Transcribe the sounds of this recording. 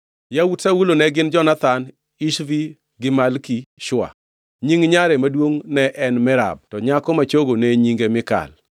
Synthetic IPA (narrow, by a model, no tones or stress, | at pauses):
jawutsawulonɛɡɪnd͡ʒɔnat̪an | iʃvi | ɡɪmalkiʃwa̰ | ɲiŋɲaɾɛmadwoŋnɛʔɛnmɪɾa̰b̚tɔɲakɔmat͡ʃoɡoneɲiŋɡemɪka̰l